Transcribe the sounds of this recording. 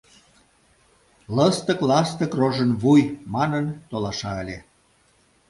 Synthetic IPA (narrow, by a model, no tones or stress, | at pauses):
ləst̪əklɑst̪əkroʒənβujmɑnənt̪olɑʃɑəlʲe